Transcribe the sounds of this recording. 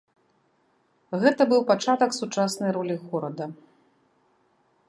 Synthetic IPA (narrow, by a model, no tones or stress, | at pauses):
ɣɛt̪ɐbɨwpat͡ʂat̪ɐksut͡ʂasnɐjɾɔlʲiɣɔɾɐd̪ɐ